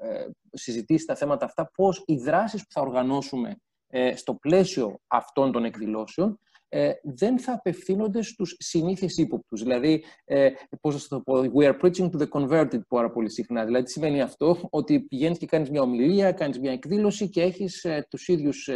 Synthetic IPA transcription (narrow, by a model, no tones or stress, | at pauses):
sizit̪isi̥st̪ɐθe̞mɐt̪ɐːft̪ɐpo̞siðɾɐsispu̥θɐo̞ɾɣɐno̞sume̞̰ | st̪o̞ple̞sio̞ɐ̰ft̪o̞nt̪o̞ne̞kðilo̞seo̞n | ðe̞nθɐːpe̞fθino̞nd̪e̞st̪usːiniθesipo̞p̚t̪uzðilɐðiepo̞zðɐsɐt̪opowiɐɾpɾit͡ʃiŋt̪uðeko̞nve̞ɾt̪id̪̚pɐɾɐpo̞lisixnɐðilɐðisime̞niɐft̪o̞ot̪ipiʝenisce̞kɐnizmɲɐo̞miliɐkɐnizmɲɐe̞kðilo̞sice̞e̞çist̪usiðʝus